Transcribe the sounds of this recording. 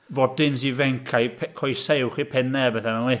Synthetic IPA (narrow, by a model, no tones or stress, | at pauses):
vɔdɪns̬ivɛŋkʰajpʰɛkʰɔjsewχipʰɛnɛbɛθanɛnlˠi